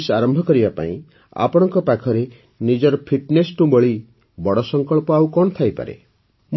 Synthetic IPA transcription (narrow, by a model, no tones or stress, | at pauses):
saɾɔmbʱɔkɔɾibapã̰ḭ̃ | a̰pɔɽ̃ɔŋkɔpakʰɔɾe | nid͡ʒɔɾɔpʰiʈnesʈũbɔɭi | bɔɽɔsɔŋkɔɭpɔawkɔɳ̃ɔt̪ʰajpa̰ɾḛ | m